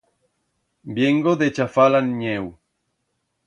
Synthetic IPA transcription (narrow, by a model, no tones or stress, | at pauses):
bjeŋɡoðet͡ʃafalanɲew